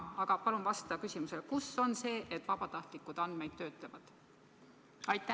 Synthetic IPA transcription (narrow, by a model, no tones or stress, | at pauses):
ɑɡ̥ɑpɑlunvɑst̪ɑkysʲimuselkusːo̞nse̞ːʔet̪ːˑvɑb̥ɑt̪ɑht̪likˑːud̪̥ɑnd̪̥me̞jd̪̥t̪ːø̞ːt̪lɑvɑd̪̥ | ɑjt̪ːˑæ